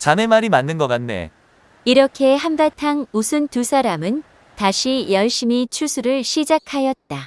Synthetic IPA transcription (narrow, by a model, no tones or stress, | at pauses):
t͡ɕame̞maɾimanːɯnɡʌk͈anne̞̰ | iɾʌkʰe̞ɦanbatʰaŋmusʰɯntusʰaɾamɯn | taɕʰijʌɭɕ͈imit͡ɕʰusʰuɾɯɭɕʰid͡ʑakʰajʌt̚t͈a